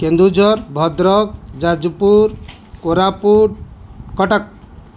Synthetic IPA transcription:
kend̪ud͡ʒʱɔɾbʱɔd̪ɾɔk̚d͡ʒad͡ʒpuɾ | koɾapuɾkɔʈək̚

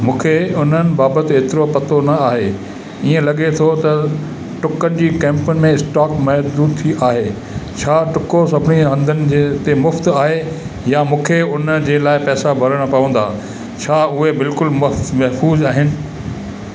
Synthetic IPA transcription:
mũːkʰeʊn̤ənɪ̆baːbət̪ɪeːt̪ɪɾopɐt̪onɐaːɦe | iːẽlɐɠet̪ʰot̪ɐ | ʈʊkənɪ̆d͡ʑiːkɛ̃ːmpənɪ̆mẽɪsʈaːkmɐɦd̪uːt̪ʰiʔaːɦeː | t͡ɕʰaːʈʊkosɐbʱɪniɦɐ̃nd̪ʱənɪ̆d͡ʑet̪emʊft̪aːɦe | jamũːkʰeʊn̤əd͡ʑeːlaːɪpɛːsabʱɐɾəɽ̃pɐʋə̃nd̪a̰ː | t͡ɕʰaːʊɦebɪlkʊlmɐmɐɦfuːzaːɦɪnɪ̆

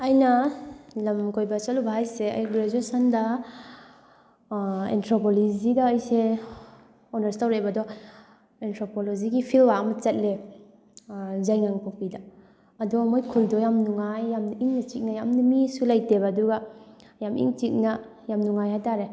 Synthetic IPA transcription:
ajnalɐmkojbat͡ʃalubaɦajsea̰jɡɾed͡ʒuesanda | ḛntʰɾopɔlizidaːjse | ɔnaɾstawɾajbadɔ | entʰɾopolɔziɡipʰilwamat͡ʃɐt̚le | zajŋaŋpɔk̚pidaː | dɔmɔjkʰuldɔjamnuŋajːamiŋnat͡ʃik̚najamnumisulajtebaduɡa | jamḭŋt͡ʃik̚na | jamnuŋajhajtaɾe

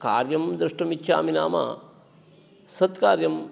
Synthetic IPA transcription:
ka̰ːɾjɐmd̪ɾɨʂʈɐmit̪ːʃʰa̰ːmina̰ːma̰ː | sɐt̪kaːɾjɐm

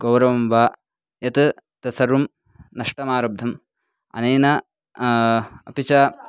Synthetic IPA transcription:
ɡ̥ɐwɾɐʋɐmʋaː | jɐt̪ɨt̪ɐsɐɾum | nɐʂʈɐmaːɾɐb̚d̪ʱɐm | ɐ̰nɐjnɐ | ɐpit͡ʃɐː

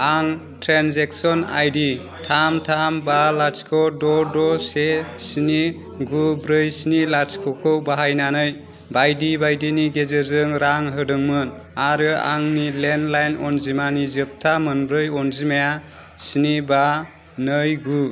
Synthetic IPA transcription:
aŋ | tɾanzeksɔna̰jdi | tʰamtʰambalaɾskʰɔdɔdɔsesini | ɡubɾɯjsinilaɾskʰɔkʰɯwbaɦajnanɯj | bajdibajdiniɡezɯzɯŋɾaŋɦɯdɯŋmɯn | aɾɯa̰ŋnilenlajnɔnzimanizɯp̚tʰamɯnbɾɯjɔnzimaja | siniba | nɯjɡu

